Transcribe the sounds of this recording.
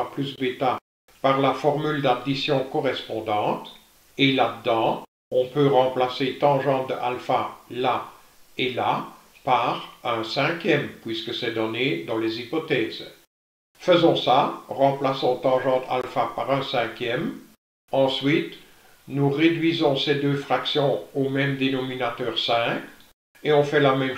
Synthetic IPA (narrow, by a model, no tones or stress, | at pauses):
ʁplysbet̪a | paʁlafɔʁmyld̪ad̪isjɔ̃kɔʁɛspɔ̃d̪ɑ̃ːt̪ | elad̪əd̪ɑ̃ | ɔ̃pøʁɑ̃plaset̪ɑ̃ʒɑ̃d̪əa̰lfala | ela | paʁɛ̃sɛ̃kʲjɛmpɥiskəsɛd̪ɔned̪ɑ̃lezipɔt̪ɛːz̥ | fəzɔ̃saʁɑ̃plasɔ̃t̪ɑ̃ʒɑ̃t̪a̰lfapaʁɛ̃sɛ̃kʲjɛm | ɑ̃sɥit̪ | nuʁed̪ɥizɔ̃sɛd̪øːfχaksjɔ̃omɛmd̪enɔminat̪œːʁsɛ̃k | eɔ̃fɛlamɛm